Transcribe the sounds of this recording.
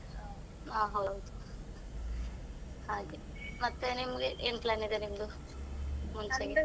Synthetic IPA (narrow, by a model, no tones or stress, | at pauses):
aːɦɐwd̪u | haːɡi | mɐt̪ːenimːɐɡeʔeːnplaːnid̪enimɐd̪u | muɲt͡ʃeɡi